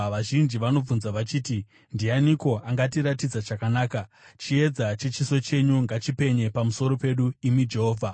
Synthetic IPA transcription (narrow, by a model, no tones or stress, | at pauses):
ʋaʒind͡ʒiʋano̞b͡vunzaʋat͡ʃiːti | ndianiko̞aŋɡat̬iɾatid͡zaʐakanaːka | t͡ʃie̞d͡zat͡ʃet͡ʃiso̞t͡ʃe̞ɲuŋɡat͡ʃipe̞ɲe̞pamuso̞ɾo̞pe̞ɗuimid͡ʒe̞ɦoːvʱa